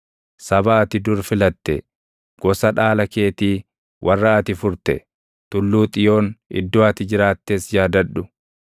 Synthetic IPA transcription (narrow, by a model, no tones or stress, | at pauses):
sɐbaːt̪ɪd̪ʊɾfɪlɐt̪ːɛ̰ | ɡ̥ɔsɐᶑaːlɐke̞ːt̪iː | wʔɐrːaɐt̪ɪfʊɾt̪ɛ | t̪ʊlːuːt̪ʼɪjo̞ːnɪ̰d̪ːʊwaːt̪ɪd͡ʒɪɾaːt̪ːeːsjaːd̪ɐᶑːʊ